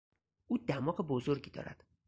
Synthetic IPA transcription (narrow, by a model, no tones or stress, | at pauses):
ʔuːd̪æmɒːɢebozoɾɟiːd̪ɒ̰ːɾæ̰d̪̥